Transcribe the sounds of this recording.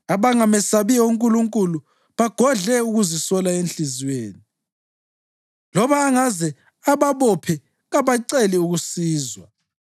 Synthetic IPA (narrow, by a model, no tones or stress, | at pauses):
aβaŋamɛsaβiɔuŋkʼuluŋkʼulu | βaɡ̥ʱɔɮɛuɣuzisɔlaent͡ɬɬizweːni | lɔβaːŋazɛ | aβaβɔpʰɛ | ɣaβaǀɛliuɣusiːzwa